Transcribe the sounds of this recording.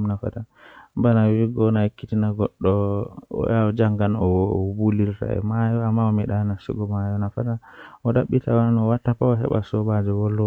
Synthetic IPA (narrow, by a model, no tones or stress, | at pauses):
nafa̰ta | mbanawiɡɔnakːitinaɡɔɗːɔɔ̰jad͡ʒaŋɡanɔbulilta̰ɛ̰majɔamːaɔmɛɗanasɔ̰ɡɔmajɔnafata | ɔɗaɓːitawanɔwatːapawasa̰ɓa̰sɔbad͡ʒɔwɔlːɔ